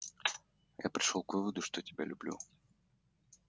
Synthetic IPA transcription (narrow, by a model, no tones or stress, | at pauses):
ja̰pɾʲɪʂolˠkvɨvəd̪ʊʂt̪otʲɪbʲalʲʉblʲṵ